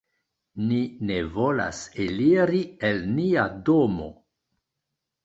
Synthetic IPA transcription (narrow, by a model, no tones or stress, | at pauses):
nine̞vo̞la̰seliɾie̞lniadomo̞̰